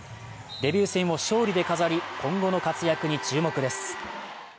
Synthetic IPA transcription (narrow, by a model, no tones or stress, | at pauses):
d̪e̞bʲjɨːsẽɰ̃o̞ɕo̞ːɾʲid̪e̞kazaɾʲikʰõ̞ŋɡo̞no̞kat͡sɨjakɯ̟ɲ̟it͡ɕɨːmo̞kɯ̟d̪e̞sɨ̥